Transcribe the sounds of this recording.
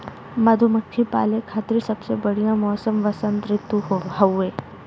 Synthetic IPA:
mɐd̪ʱʊmɐkʰːipa̰ːlekʰaːt̪ɾisɐbsebɐɽ̤ijãmɔːsəmʋɐsə̃nt̪ɾɪt̪ːuɦɦɐweː

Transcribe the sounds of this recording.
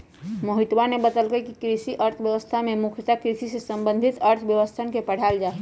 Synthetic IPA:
məɦit̪wanebət̪əlɡəjkikɾisiʔəɾt̪ʰbjəʋəst̪ʰamemukʰjət̪akɾisisesəmbə̃nd̪ʱit̪əɾt̪ʰbjəʋəst̪ʰənkepəɽ̤ald͡ʒaːɦɛ

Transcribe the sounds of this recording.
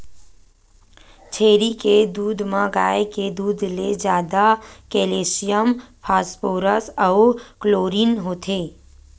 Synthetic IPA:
t͡ʃʰeːɾiked̪uːd̪mãɡaːeked̪uːd̪ʱled͡ʒjaːd̪akeːleːsijəmpʰaːspoːɾəsɔʊkloːɾiːnɦoːt̪ʰeː

